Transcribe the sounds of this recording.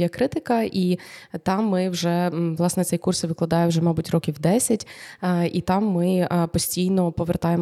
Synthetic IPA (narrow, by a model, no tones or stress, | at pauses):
jɛkɾɪt̪ɪkɐʔit̪ɑmːɪwʒɛʋlˠɑsnɛt̪sɛjkursʋɪklˠɐd̪ɑjɛwʒɛmɑbutʲrɔkʲiwd̪ɛsʲɐtʲːʔit̪ɑmːɪpɔsʲtʲijnɔpɔʋert̪ɑjem